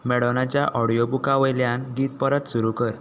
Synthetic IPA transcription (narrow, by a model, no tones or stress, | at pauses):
mɛɽnat͡ɕjaʔɔɽijobukaʋəjljanɡiːt̪̚pəɾət̪suɾukəɾ